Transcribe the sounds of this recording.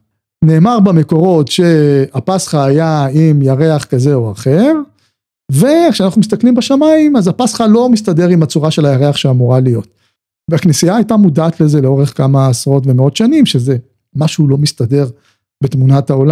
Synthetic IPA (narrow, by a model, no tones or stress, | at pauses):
ne̞ːmaʁbame̞ko̞ʁo̞tʃe̞apasχaːjaimjaʁe̞aχkaze̞o̞aχe̞ʁ | ve̞kʃeanaχnumis̬t̪aklimbeʃamaimazapasχalo̞mist̪adeʁimat͡suʁaʃe̞lajaʁeaχʃeamuʁalijo̞t̚ | veaknesiaːjtamudaːt̪le̞ze̞leo̞ʁe̞χkamaːsʁo̞tve̞meo̞t̪ʃanimʃe̞ze̞ | maʃulo̞mistade̞ʁ | betmunataola